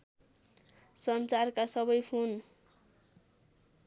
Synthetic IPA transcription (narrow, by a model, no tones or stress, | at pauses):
sʌnt͡sarkasʌbʌjpʰon